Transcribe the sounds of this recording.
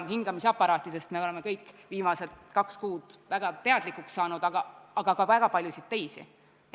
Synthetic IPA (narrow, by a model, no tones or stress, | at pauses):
hiŋɡ̥ɑmiseɑpˑːɑɾɑːt̪ːˑid̪̥e̞st̪me̞ole̞me̞kɤjkːˑviːmɑse̞t̪kɑkskuːd̪̥væɡ̥ɑt̪e̞ɑd̪̥likːˑuksːɑːnud̪̥ɑɡ̥ɑɑɡ̥ɑɡɑvæɡ̥ɑpɑlʲjusit̪t̪ːe̞jsḭ